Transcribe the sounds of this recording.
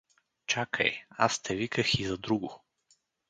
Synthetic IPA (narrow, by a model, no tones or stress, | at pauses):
t͡ʃakʰə̰ja̰st̪ʰɛvikəxizɐd̪ɾuɡʊ